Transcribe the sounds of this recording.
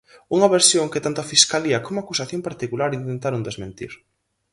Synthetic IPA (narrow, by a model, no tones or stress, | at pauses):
uŋɐβeɾsjoŋket̪ant̪ʊafiskaliɐkomʊakusaθjompaɾt̪ikulaɾĩnt̪ẽnt̪aɾuŋd̪ezmẽnt̪ḭɾ